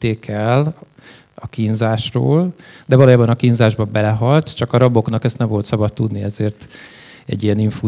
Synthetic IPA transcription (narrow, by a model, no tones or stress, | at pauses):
t̪ːeːkʰɛl | ɒkinzaːʃro̰ːld̪ɛvɒloːjaːbɒnɒkinzaːʒbɒbɛlɛɦɒlt̪t͡ʃɒkɒɾɒbo̞knɒkɛst̪nɛɱvo̞lt̪sɒbɒt̪ːud̪niɛzeːrt̪ | ɛ̰ɟːijɛniɱfu